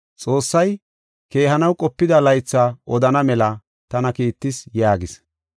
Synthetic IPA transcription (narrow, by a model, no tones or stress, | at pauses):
t͡sʼo̞ːsːɐj | ke̞ːɦɐnɐwkʼɔpːɪd̪ɐlɐjt͡sːaʔɔd̪ɐnɐmɛlɐ | t̪ɐnɐkiːt̪ːɪsjaːɡɪs